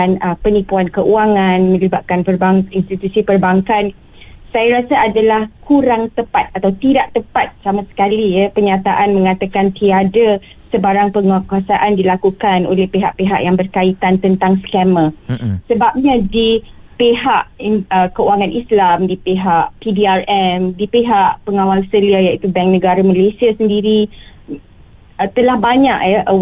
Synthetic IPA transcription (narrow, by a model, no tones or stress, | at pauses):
nəpənipuankəʔuaŋãnmə̃libat̪̚kanpərbaŋinst̪it̪usipərbaŋkan | sajaɾasaːdalahkʰuɾaŋt̪əpat̪̚at̪awt̪idaʔt̪əpat̪̚samãsə̥kalijapərɲat̪aʔanmə̃ŋat̪akant̪iada | səbaɾaŋpəŋakasaʔandilakukanʔolɛhpeɦaʔpeɦa̰ʔjaŋbərkait̪ant̪ənt̪aŋskamə̃səbap̚ɲãdipeɦaʔəkəuaŋanʔislamdipeɦaʔpidiarɛmdipeɦaʔpəŋawalsəliajait̪ubɛŋ̚nə̃ɡaɾaməlesiasəndiɾi | t̪əlahbaɲaʔjəʔ